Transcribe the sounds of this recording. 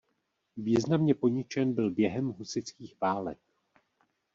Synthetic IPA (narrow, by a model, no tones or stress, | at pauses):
viːznamɲɛpo̞ɲɪt͡ʃɛnbɪlbjɛɦɛmɦusɪt͡skiːxv̥aːlɛ̰k̚